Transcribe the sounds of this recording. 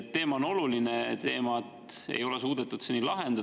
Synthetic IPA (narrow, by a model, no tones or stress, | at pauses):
t̪ːe̞ːmɑono̞lulinet̪e̞ːmɑet̪ḛjo̞lesuːd̪̥et̪ːˑud̪senːilɑɦe̞nd̪̥ɑ